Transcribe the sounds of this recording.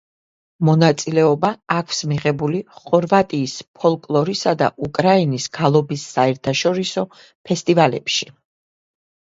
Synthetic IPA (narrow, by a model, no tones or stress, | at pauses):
mɔnat̪sʼilɛɔbaːkʰsmiʁɛbuliχɔɾvat̪ʼiːspʰɔlˠkʼlˠɔɾisad̪a̰ʔukʼɾainisɡ̥alˠɔbisːaɛɾt̪ʰaʃɔɾisɔ | pʰɛst̪ʼivalɛ̰pʃi